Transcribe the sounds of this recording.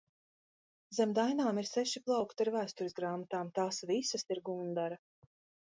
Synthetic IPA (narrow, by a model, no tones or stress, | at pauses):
zɛmd̪ajnaːmiɾsɛʃiplˠɑwkt̪aɾvæːst̪uɾɪzɡɾaːmat̪aːmt̪aːsvisɐsiɾɡund̪aɾa